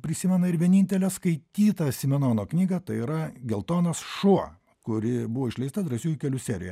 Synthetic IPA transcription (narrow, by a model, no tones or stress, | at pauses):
pʲɾʲɪsʲɪmʲɛnɐɪɾʋʲiɛnʲɪnʲt̪ʲɛlʲɛskɐɪt̪ʲiːt̪ɐtsʲɪmʲɛnoːnoːknʲiːɡɐt̪ɐɪiɾɐɡʲɛlˠt̪oːnɐsʃuɔ | kʊɾʲɪbʊʋoɪʃʲlʲɛɪst̪ɐd̪ɾɐsʲuːjʊkʲɛlʲʊsʲæːɾʲɪ̰jɛ